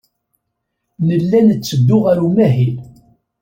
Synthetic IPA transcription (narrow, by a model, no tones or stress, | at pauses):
nəlːænt͡sːəd̪ːʊʁaɾumæɦil